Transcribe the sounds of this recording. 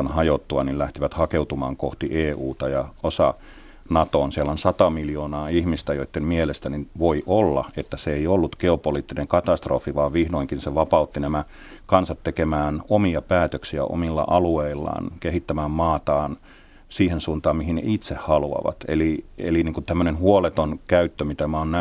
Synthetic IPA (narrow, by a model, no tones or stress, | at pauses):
onhɑjot̪ːuɑnillæht̪iʋæt̪hɑkeut̪umɑ̰ːŋkoht̪iʔeːuːt̪ɑjɑosɑ̰ | nɑt̪oːnsiælonsɑt̪ɑmiljoːnɑːihmist̪æjoit̪ːemmielest̪æninʋoiʔolːɑ̰et̪ːæseeiolːut̪keopoliːt̪ːineŋkɑt̪ɑst̪rofiʋɑːʋʋihnoiŋkinseʋɑpɑut̪ːinæmæ | kɑnsɑt̪ːekemæːnomiɑpæːt̪øksiæ̰ʔo̰milːɑ̰ʔɑlueilːɑ̰ːnkeɦit̪ːæmæːmmɑːt̪ɑːn | siːhensuːnt̪ɑːmmihinḛʔit̪sehhɑluɑ̰ʋɑ̰t̪ḛliḛliniːŋkunt̪æmːønenhuolet̪onkæyt̪ːømit̪æmæonnæ